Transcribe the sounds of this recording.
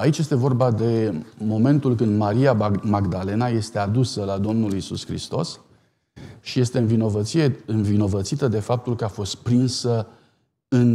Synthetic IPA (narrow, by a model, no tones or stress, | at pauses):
ait͡ʃje̞st̪e̞vo̞rbad̪e̞mo̞me̞nt̪ulkɨnd̪maɾiamaɡd̪ale̞naje̞st̪e̞ad̪usəlad̪o̞mnulisṵskɾḭst̪o̞s | ʃije̞st̪e̞ɨnvino̞vət̪sie̞ɨnvino̞vət̪sit̪əd̪e̞fap̚t̪ulkəafo̞st̪̚pɾinsə | ɨn